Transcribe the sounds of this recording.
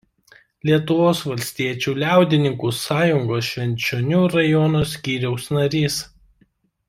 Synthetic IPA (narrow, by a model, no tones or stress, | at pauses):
lʲiɛt̪ʊʋoːsʋɐlʲsʲt̪ʲiɛt͡ʃʲuːlʲæˑʊd̪ʲɪnʲɪŋkuːsɑːjʊŋɡoːsʃʲʋʲɛnʲˑt͡ʃʲonʲuːɾɐjɔnoːsʲkʲiːɾʲɛʊsnɐɾʲiːs